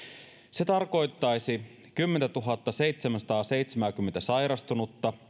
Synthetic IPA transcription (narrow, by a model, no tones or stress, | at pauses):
se̞t̪ɑrko̞jt̪ːɑjsi | kymːent̪æt̪uɦɑt̪ːɑse̞jt̪semænsɑ̥t̪ɑːse̞jt̪semæːk̟ymːent̪æsɑjɾɑst̪unut̪ːɑ